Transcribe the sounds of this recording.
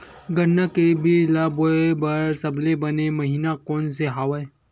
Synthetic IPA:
ɡɐnːakebʱilaːboebɐɾsɐblebɐnemɐɦiːnakɔːnseɦaːʋae

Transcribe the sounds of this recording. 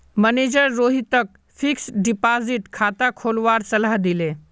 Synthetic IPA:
məneːd͡ʒəɾːoːɦit̪ək̚ | fʰiksɖipaziʈkʰat̪akʰolʋaɾsəlaɦd̪ile

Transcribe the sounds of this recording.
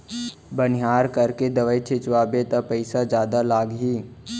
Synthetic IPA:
bənɪɦaːɾkɐɾked̪ɐʋəit͡ʃʰɪt͡ʃʋaːbet̪apɐɪsad͡ʒjaːd̪alaːɡɦiː

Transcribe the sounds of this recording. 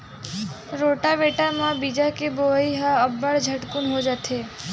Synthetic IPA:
ɾoʈaʋeʈamãbid͡ʒakeboiɦaəbəɽd͡ʒʱəʈkunɦod͡ʒat̪ʰe

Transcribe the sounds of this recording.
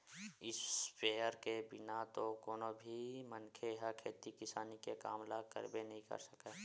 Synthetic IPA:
ɪspeːəɾkebɪnat̪okoːnobʱimənkʰeɦəkʰeːt̪ikɪsaːnikeka̰ːmlakə̰ɾbenɐɦĩkɐ̰ɾsəke

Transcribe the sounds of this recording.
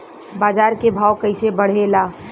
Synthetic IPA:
baːd͡ʒaːɾkebʱaːʊkəɪsebəɽ̤elaː

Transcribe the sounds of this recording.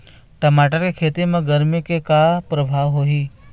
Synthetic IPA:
ʈɐmaːʈəɾkekʰeːt̪iɾmẽɡɐɾmjokekapɾəbʱaːʋɦoːɦiː

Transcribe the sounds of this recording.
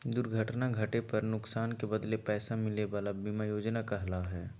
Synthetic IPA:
d̪ʊɾɡʱəʈnaɡʱɐʈepɐɾnʊksaːnkebɐd̪lepɛːsamɪleʋaːlabimajoːd͡ʒnakɐɦlaɦɛː

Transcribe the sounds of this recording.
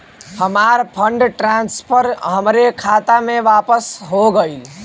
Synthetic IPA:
həmaɾpʰəɳɖʈɾanspʰəɾɦəmɾekʰat̪ameʋapəsɦoɡəil

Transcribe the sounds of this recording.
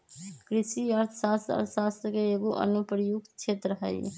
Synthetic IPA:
kɾisiəɾt̪ʰəsast̪ə̰ɾʰsast̪ɾəkeːɡoʔə̰nupɾəjuɡt͡ʃʰet̪ɾəɦəj

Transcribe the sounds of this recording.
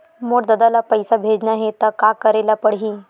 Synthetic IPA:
moɽd̪əd̪alapəjsabʱed͡ʒnaɦet̪əkakəɾelapəɽɦĩ

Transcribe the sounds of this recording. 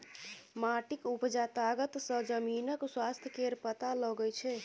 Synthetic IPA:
maʈikupd͡ʒat̪aɡət̪sə̃d͡ʒəminəkswast̪ʰjəkeɾpət̪alɔɡɛjt͡ʃʰɛ

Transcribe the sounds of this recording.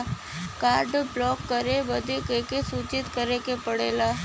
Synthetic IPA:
kaːɾɖblɔːkːəɾeʋɐd̪ekekesuːt͡ʃɪt̪kəɾekepəɽeːlaː

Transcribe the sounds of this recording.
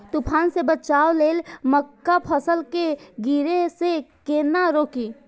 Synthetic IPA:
t̪upʰaːnsebət͡ʃaːwleːlməkːapʰəsəlkeɡiɾesekeːnaɾoːkiː

